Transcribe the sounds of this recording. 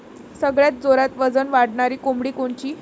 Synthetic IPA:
səɡɭjat̪̚d͡zoɾat̪ʋəd͡zənʋaɽɳaɾiːkumbɽiːkoɳt͡ɕiː

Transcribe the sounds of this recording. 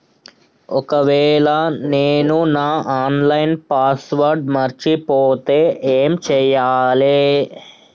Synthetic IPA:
okɐʋɛːlaneːnunaːʔaːnlɐjɪnpaːsʋɐɾɖmɐɾt͡ʃipoːt̪eeːmt͡ʃɛjaːleː

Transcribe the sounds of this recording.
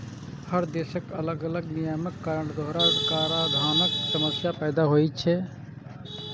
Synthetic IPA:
həɾd̪esəkələɡələɡnijəməkːaːɾəɳd̪ʱoɦɾakaːɾad̪ʱaːnəksəməsjapɛːd̪aɦojt̚t͡ʃʰɛ

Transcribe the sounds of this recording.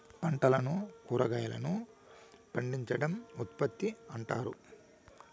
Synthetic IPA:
pɐɳʈɐlɐnukuːɾɐɡɐjɐlɐ̰nu | pɐɳɖiɲt͡ʃɐɽɐmut̪pɐt̪ːiɐɳʈaːɾu

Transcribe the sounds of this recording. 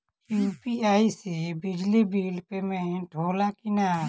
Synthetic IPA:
jupiaːisebɪd͡ʒlibiːlpemẽʈʰoːlakina

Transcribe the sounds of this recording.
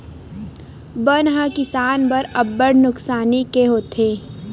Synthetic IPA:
bənɦəkɪsaːnbəɾɐbːəɽnʊksaːnikeɦoːt̪ʰeː

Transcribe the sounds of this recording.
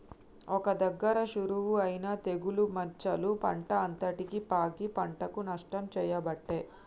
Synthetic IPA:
ɔkɐd̪ɐɡːɐɾɐʃuɾuʋuɐjinaːt̪e̞ɡulumɐɾt͡ʃɐlupɐ̰ɳʈɐːnt̪ɐʈikipaːkipɐɳʈɐkunɐʂʈɐmt͡ʃɛːjɐbɐʈːe

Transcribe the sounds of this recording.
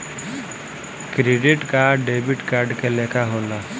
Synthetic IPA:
kɾeːɖɪʈkaɖeːbɪʈkaːɾɖkeleːkʰaɦoːnaː

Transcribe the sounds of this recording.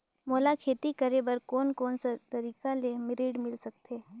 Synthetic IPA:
moːlakʰeːt̪ikɐɾebəɾkɔːnkɔːnsat̪ɐɾiːkalemɪɾiːɖmɪlsɐkt̪eː

